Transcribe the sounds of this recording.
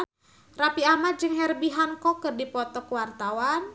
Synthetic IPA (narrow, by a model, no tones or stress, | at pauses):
rapiamad͡ʒɨŋɦɛrbiɦankɔkɨrdipɔt̪ɔkwart̪awan